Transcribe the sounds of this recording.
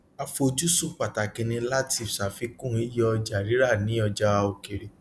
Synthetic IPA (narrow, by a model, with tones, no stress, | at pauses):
a˧fo˧d͡ʒu˦su˦k͡pa˨ta˨kĩ˧nĩ˧la˦ti˦˨fsa˨fi˧˦kũ˦˨˦i˦jɔ˧d͡ʒa˨ɾi˨˦ɾa˦˨nĩ˨˦ɔ˧d͡ʒa˧o˨ke˨ɾe˨